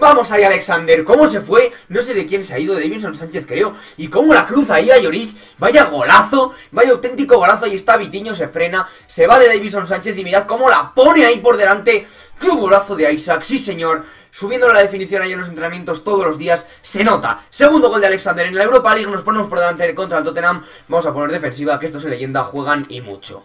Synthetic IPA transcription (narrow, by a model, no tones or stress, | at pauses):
bamo̞saiale̞ksand̪e̞ɾko̞mo̞s̬e̞fwe̞no̞s̬eðe̞kje̞nsea̰iðo̞ðeβis̬onsant͡ʃe̞θkɾe̞o̞ | iko̞mo̞lakɾuθaiaʝo̞ɾis | baʝaɣ̞o̞laθo̞ | bajawt̪e̞nt̪iko̞ɣo̞laθoaje̞st̪aβit̪iɲo̞se̞fɾe̞na | se̞βaðe̞ðejβis̬onsant͡ʃe̞θimiɾaðko̞mo̞la̰po̞ne̞aipo̞ɾðe̞lant̪e̞ | kuβɣolaθo̞ðe̞ajsaksise̞ɲo̞ɾ | suβje̞nd̪oelaðe̞finiθjonajiunlos̬nt̪ɾenamje̞nt̪o̞st̪o̞ð̞olo̞zðiasːe̞no̞t̪a̰se̞ɣ̞und̪o̞old̪ealeksand̪e̞ɾenlaewɾo̞paliɣnos̬po̞nemopoɾðeant̪eko̞nt̪ɾalt̪ot̪e̞nãm | bamo̞sapo̞ne̞ɾðe̞fe̞ns̬iβakee̞st̪o̞s̬elːe̞ʝe̞nd̪axwe̞ɣ̞anḭmṵt͡ʃo̰